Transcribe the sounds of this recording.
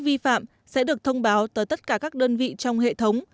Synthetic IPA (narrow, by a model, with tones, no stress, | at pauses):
vi˧fa̰ː˧˨m | sɛ̰˧˥ɗɨ˨˩ək̚t̪ʰə˧wŋ͡mɓaː˨˦wt̪əː˨˦jt̪ə˦˥t̚kaː˧˩kaː˦˥k̚ɗəː˧nvḭ˧˨t͡ɕɔ˧wŋ͡mɦḛ˧˨t̪ʰə˨˦wŋ͡m